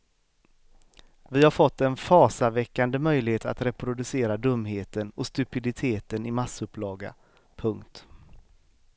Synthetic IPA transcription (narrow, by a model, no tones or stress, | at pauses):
vɪhaɾfɔt̪ːɛnfɑːsavɛkːand̪əmœjlɪheːt̪a̰t̪ɾɛpɾʊd̪ɵseːɾad̪ɵmːɦeːt̪ənɔst̪ɵpɪd̪ɪt̪ʰeːt̪ənɪmasːɵpːlɑːɡa̰ | pʰɵŋkt̪